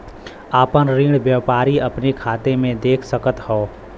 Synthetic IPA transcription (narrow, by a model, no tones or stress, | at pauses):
aːpənɾiːɽʋjəːpaːɾiɐpnekʰaːt̪emẽd̪eːkʰsəkət̪hɔː